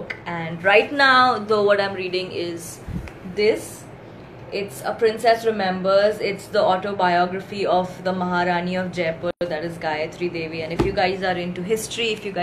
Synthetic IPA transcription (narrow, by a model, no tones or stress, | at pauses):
kɛ̃ɳɖɾaɪʈnaʊd̪oːʋɔʈãɪ̃mɾiːɖɪ̃ŋɪz | d̪ɪs | ɪʈsəpɾɪ̃nsɛsɾɪmɛ̃mbəɾzɪʈsd̪əɔːʈoːbaɪɔːɡɾəfiɔfd̪əmɐɦaɾaːniɔfd͡ʒeːpəd̪æʈɪzɡaɪət̪ʰɾid̪eːʋiɛ̃nɖɪfjuɡaɪzaɾɪ̃nʈuɦɪsʈɾiɪfjuɡa